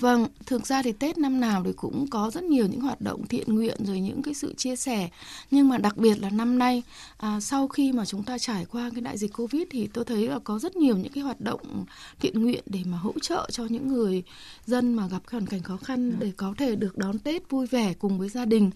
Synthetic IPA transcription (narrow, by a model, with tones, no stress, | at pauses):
və˧˩ŋt̪ʰɨ˨˩ək̚zaː˧t̪ʰi˨˩t̪e˦˥t̚na˧mnaː˨˩wt̪ʰi˨˩kʊ̰˧˥ŋ͡mkɔ˨˦zə˦˥t̚ɲi˨˩əwɲɨ̰˧˥hwaː˨˩t̚ɗo̰˧˨wŋ͡mt̪ʰḭ˧˨ənŋwḭ˧˨ənzo˨˩jɲɨ̰˧˥ŋkaː˨˦jsɨ̰˧˨t͡ɕi˧əsɛ˧˩ɲɨ˧ŋmaː˨˩ɗa˨˩k̚ɓi˨˩ət̚laː˨˩na˧mna˧jʔːsa˧wxi˧maː˨˩t͡ɕʊ˨˦ŋ͡mt̪aː˧t͡ɕaː˧˩jkwaː˧kaː˨˦jɗa̰ː˧˨zï˨˩k̚ko˧vi˦˥t̚t̪ʰi˨˩t̪o˧jt̪ʰə˨˦jlaː˨˩kɔ˨˦zə˦˥t̚ɲi˨˩əwɲɨ̰˧˥ŋkaː˨˦jɦwaː˨˩t̚ɗo̰˧˨wŋ͡mt̪ʰḭ˧˨ənŋwḭ˧˨ənɗe˧˩maː˨˩ɦo̰˧˥t͡ɕə̰ː˧˨t͡ɕɔ˧ɲɨ̰˧˥ŋːɨ˨˩əj | zə˧nmaː˨˩ɣa˨˩p̚ka˨˦hwaː˧˩nka˧˩jŋ̟xɔ˨˦xa˧nɗe˧˩kɔ˨˦t̪ʰe˧˩ɗɨ˨˩ək̚ɗɔ˨˦nt̪e˦˥t̚vu˧jvɛ˧˩kʊ˨˩ŋ͡mvəː˨˦jzaː˧ɗï˨˩ŋ̟